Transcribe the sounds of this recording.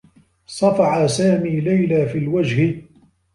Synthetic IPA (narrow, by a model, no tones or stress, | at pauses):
sˤɑfɑʕasaːmiːlajlaːfiːlwad͡ʒhɪ